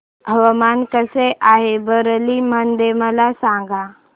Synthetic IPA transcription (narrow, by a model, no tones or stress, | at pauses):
ɦəʋəmankəseʔaɦebəɾlimənd̪eməlasãŋɡa